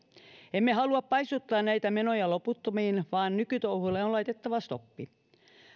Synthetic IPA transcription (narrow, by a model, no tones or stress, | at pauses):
emːeɦɑluɑppɑjst̪ut̪ːɑːnnæjt̪æme̞no̞jɑlo̞put̪ːomiːnʋɑːnnykyt̪ouhulːeonlɑjt̪e̞t̪ːɑʋɑst̪o̞pːi